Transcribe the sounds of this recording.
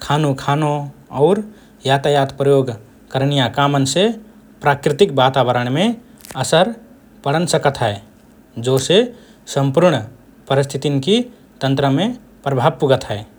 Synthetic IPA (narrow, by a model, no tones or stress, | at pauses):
kʰaːnukʰaːnoɔʊɾ | jat̪ajat̪pɾəjoɡ | kəɾnijakamənse | pɾakɾɪt̪ɪkbat̪abəɾəɳ̃mẽ | əsəɾ | pəɽ̤ənsəkət̪ɦɛe | d͡ʒose | səmpuɾɳ | pəɾist̪ʰit̪inki | t̪ə̃nt̪ɾəmẽ | pɾəbʱab̚puɡət̪ɦɛe